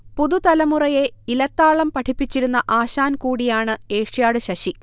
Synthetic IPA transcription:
puðut̪ɐlɐmurɐje̞ilɐt̪ːaːɭɐmpɐʈʰipːit͡ɕːiɾunːɐʔaːɕaːnkuːɽijaːɳɨeːʂjaːɽɨɕɐɕi

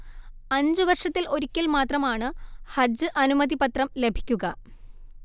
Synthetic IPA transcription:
ɐɲd͡ʑɨʋɐrʂɐt̪ːilo̞ɾikʲːɐlmaːt̪rɐmaːɳɨhɐd͡ʑɨʔɐnumɐd̪ipɐt̪rɐmle̞bʱi̥kʲːuɣɐ

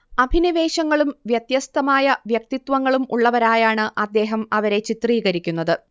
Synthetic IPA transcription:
ɐbʱiniʋe̞ːɕɐŋːɐɭumʋjɐt̪jɐst̪ɐmaːjɐʋjɐk̚t̪it̪ʋɐŋːɐɭumuɭːɐʋɐɾaːjaːɳɨʔɐd̪ːe̞ːɦɐmɐʋɐɾe̞t͡ɕit̪riːɣɐɾikʲːunːɐðɨ

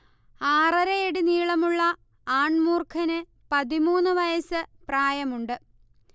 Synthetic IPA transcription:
aːrɐɾɐeɽiniːɭɐmuɭːɐ | aːɳmuːrkʰɐnɨ | pɐðimuːnːɨʋɐjɐsɨpraːjɐmuɳɖɨ

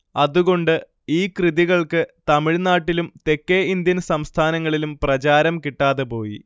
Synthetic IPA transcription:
ɐðuɣo̞ɳɖɨ | iːkrɨðiɣɐɭkɨt̪ɐmiɻnaːʈːilumt̪e̞kːeind̪jɐnsɐmst̪ʰaːnɐŋːɐɭilumprɐt͡ɕaːɾɐmkiʈːaːðepo̞ːjḭ

